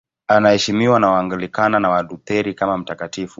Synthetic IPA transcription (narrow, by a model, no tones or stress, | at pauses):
anahɛʃimiwanawaŋɡalikananawaɗutɛɾikamam̩takatifu